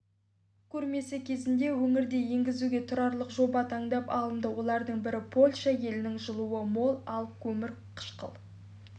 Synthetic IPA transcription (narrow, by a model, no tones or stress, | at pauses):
kʲʰɵɾme̞sɪkʲʰe̞zɪnd̪e̞wɵŋɪɾd̪e̞je̞ŋɡʲɪzuɡʲe̞t̪ʰʊɾɑɾlˠəqʒo̞bɑt̪ʰɑɴd̪ɑpɑ̰lˠənd̪əwo̞lˠɑɾd̪əɴbɪɾɪpʰo̞lʲʃɑje̞lɪnɪŋʒəlˠuwəmo̞lˠɑlˠkʲʰɵmɪɾ | qʰə̥ʃqə̰lˠ